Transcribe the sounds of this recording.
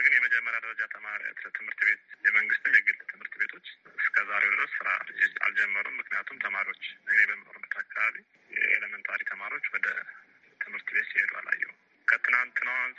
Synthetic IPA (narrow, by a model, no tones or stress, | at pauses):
ɡɨnjɛməd͡ʒɛmːəɾjad̪əɾəd͡ʒat̪ʰəmaɾa̰t̪ət̪ʰɨmhɨɾt̪be̞t̪jɛməŋɡɨst̪ɨnjaɡəbət̪ʰːɨmhɨɾt̪be̞t̪ʰo̞t͡ʃːɨskʰəzaɾewnəsɨɾa̰zɪst̪ʰʼa̰ld͡ʒɛmːəɾṵmmːɨknijat̪ʰumt̪ʰəmaɾio̞t͡ʃːɨnebəmɨnoɾumbət̪ʰakʰːaβaβi | j̰ḛləmɨnt̪ʰaɾik̚t̪ʰəmaɾio̞t͡ʃːwɔd̪ə | t̪ʰɨmhɨɾt̪be̞t̪sihed̪ua̰la̰jːɛ̰h | kʰət̪ʰɨnant̪ɨnəwan